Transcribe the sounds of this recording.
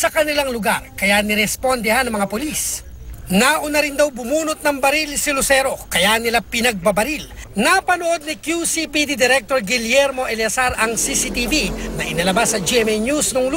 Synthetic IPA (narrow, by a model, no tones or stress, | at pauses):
sɐkɐnɪlaŋlʊɡaɾkɐjanɪɾɛspond̪ɛhanɐŋmɐŋapolis | naʔʊnɐɾɪnd̪awbʊmuːnʊt̪̚nɐŋbɐɾilsɪlʊsɛɾo̞kɐjanɪlapɪnɐɡ̚bɐbɐɾilnapɐnoʔo̞d̪̚nikjusipid̪id̪ɛɾɛk̚t̪oɾɡɪljɛɾmo̞ʔɛljɐsaɾɐŋsisit̪ibinɐʔɪnɐlɐbasːɐd͡ʒiɛmɛnjusnoŋl